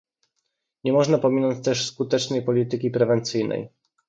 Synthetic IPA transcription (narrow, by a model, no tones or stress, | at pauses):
ɲɛmɔʐnapɔmʲinɔɲt͡ɕt̪ɛʂskut̪ɛt͡ʂnɛjpɔlʲit̪ɘkʲipɾɛvɛnt̪sɘjnɛ̰j